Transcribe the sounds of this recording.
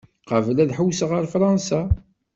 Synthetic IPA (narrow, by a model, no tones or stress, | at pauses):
qəvlæðħuwsʁəɾfɾˤɑnsa